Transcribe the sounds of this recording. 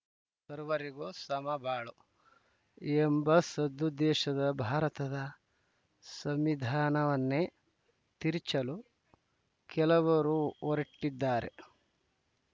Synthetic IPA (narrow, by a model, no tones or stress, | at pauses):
sɐɾʋɐɾiɡoːsɐmɐbʱaːɭu | embɐsɐd̪ːud̪ɛːʃɐd̪ɐbʱaːɾɐt̪ɐd̪ɐ | sɐmʋid̪ʱaːnɐʋɐnːe | t̪iɾt͡ʃɐlu | kɛlɐʋɐɾuɔɾiʈːid̪ːaːɾe̞̰